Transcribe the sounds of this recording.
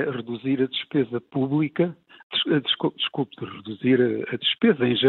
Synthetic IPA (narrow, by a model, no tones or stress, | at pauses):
ʁɨðuziɾɐðɨʃpezɐpuβlˠikɐ | d̪ʃd̪ɨʃkud̪ɨʃkulˠpd̪ɨʁɨðuziɾɐɐðʃpezɐẽj̃ʒɨ